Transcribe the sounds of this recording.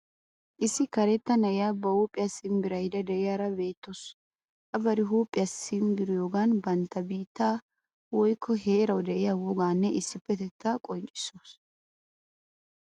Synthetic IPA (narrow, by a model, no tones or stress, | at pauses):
ʔɪsːɪkɐɾɛt̪ːɐnɐʔɪjaːbɐhuːpʼɪjɐsɪmbɪɾɐjd̪ɐd̪ɛʔɪjaːɾɐbe̞ːt̪ːos | ʔɐbɐɾɪɦuːpʼːɪjɐsɪmɡɪɾɪjoːɡaːnbɐnt̪ːɐbiːt̪ːaː | wɔjkʰːɔɦe̞ːɾɐwd̪ɛʔɪjawɔɡaːnːɛʔɪsːɪpːɛt̪ɛt̪ːakʼɔnt͡ʃʼɪ̥soːs